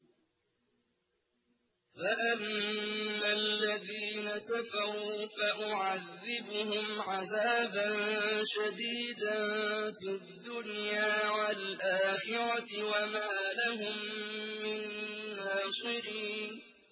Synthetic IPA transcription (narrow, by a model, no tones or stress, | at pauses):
faʔanː | alːaðiːnakafaɾufaʔʊʕaðːɪbʊhʊmʕaðaːbanʃad̪iːd̪anfiad̪ːʊnjaːwalʔaːxɪɾawamaːlaɦʊmːɪnːaːsˤɨɾiː